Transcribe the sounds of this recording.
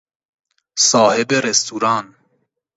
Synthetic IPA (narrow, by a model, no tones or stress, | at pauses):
sɒːhebeɾest̪ʰuːɾɑːn